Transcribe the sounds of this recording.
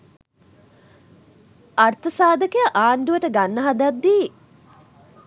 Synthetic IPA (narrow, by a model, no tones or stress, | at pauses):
art̪əsaːd̪əkejaʔaːnd̪uʋəʈəɡanːəɦad̪ad̪ːiː